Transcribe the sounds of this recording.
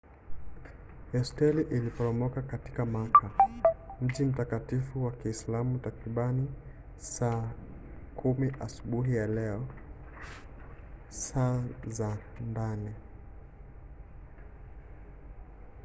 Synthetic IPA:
ɛstɛliʔilipɔɾɔmɔkakati̥kamakʰam̩ʄim̩takatifuwakiːslamutakɾiɓani | saː | kʰumiʔasuɓuɦijalɛɔ | saːzandani

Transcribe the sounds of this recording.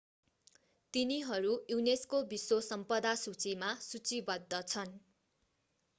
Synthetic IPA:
t̪iniɦʌɾujuneskobisosʌmpʌd̪asut͡simasut͡sibʌd̪ʱːʌt͡sʰʌn

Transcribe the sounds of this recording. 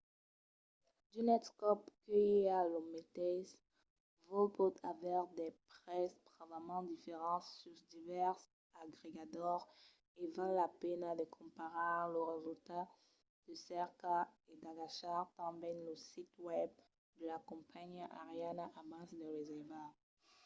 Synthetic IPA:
d̪̥ynɛtskɔpkəealɔmet̪ɛs | vɔpɔt̪ʰavɛʁd̪ɛpχɛsd̪ʁavamɑ̃d̪ifeʁɑ̃t̪syʁd̪ivɛʁs | aɡʁeɡat̪ɔʁ | evalːapɛnad̪əkʰɔ̃paʁɑ̃ləʁezylt̪a | d̪̥əsɛʁkaed̪aɡaʃaʁt̪ɑ̃bɛnləsit̪wɛb̚ | d̪əlakɔ̃pʰaɲʔaʁjanaʔamãsd̪eʁezɛva

